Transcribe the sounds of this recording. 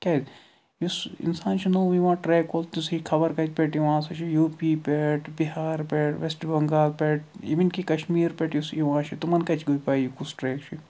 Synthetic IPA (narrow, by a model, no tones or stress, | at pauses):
kʲad̪ | jusɪ̰nsaːnt͡ʃʰunoːʋiʋãːʈɾɛːkolt̪usikʰɐbɐɾkɐt͡ʃpɛʈjiʋãːsɐt͡ʃijuːpiːpɛʈbiɦaːɾpɛʈʋesʈbɐŋɡaːlpɛːʈḭʋinkikɐʃmiːɾpʲɛːʈjusiʋãːt͡ʃʰit̪umɐnkɐt͡ʃʰɡoːjpaːijikusʈɾɛːkt͡ʃʰi